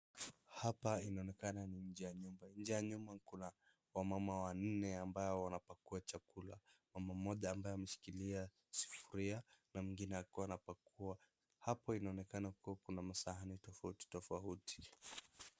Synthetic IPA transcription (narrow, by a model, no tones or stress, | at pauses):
hapainaɔnɛkananiɲ̩d͡ʒɛjaɲumbaɲ̩d͡ʒɛjaɲumakuna | wamamawan̩nɛambajɔwanapakuat͡ʃakulamamamɔʄaːmbajɔamɛʃi̥kilia | si̥fuɾianamiŋɡinɛakuwanapakua | hapɔinaɔnɛkanakuwakunamasahanitɔfauti̥tɔfautʰi̥